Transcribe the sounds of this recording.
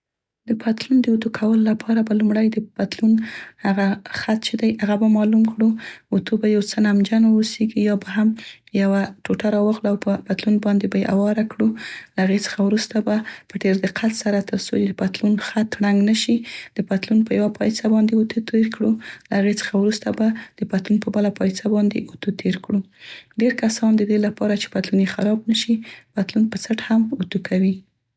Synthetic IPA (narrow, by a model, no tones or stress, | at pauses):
d̪əpʰat̪lund̪əot̪ukʰawəlolapʰɑɾabalumɽajd̪əpat̪lunhaɣaxat̪t͡ʃed̪ajaɣabamɑlumkɽuot̪ʰobajawt͡sənamd͡ʒanoseɡijɑbaɦam | jawaʈoʈaɾɑwaɣlaawpəpat̪lunbɑnd̪ebajeʔa̰wɑɾakɽulahaɣet͡sə̥xawɾust̪abapəʈeɾd̪əqʰat̪saɾat̪əɾsoed̪əpat̪lunxat̪ɽaŋɡnaʃid̪̥əpat̪lunpəjawapʰajsabɑnd̪eut̪ut̪eɾkɽulahaɣet͡sə̥xawɾust̪abad̪̥əpat̪lunpəbalapɑjsabɑnd̪ḛʔut̪ut̪ʰeɾkɽu | ɖeɾkasɑnd̪əd̪elapɑɾat͡ʃe̥pat̪lunjexaɾɑbnaʃipat̪lunpəsaʈhamut̪ukawi